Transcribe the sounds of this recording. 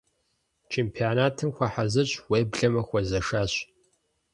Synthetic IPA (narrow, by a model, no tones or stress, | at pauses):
t͡ʃʰeːmpʰijoːnaːtʰɨmxʷɐħazɐɕʼweːbɮɐmɐxʷɔzɐʂaːɕ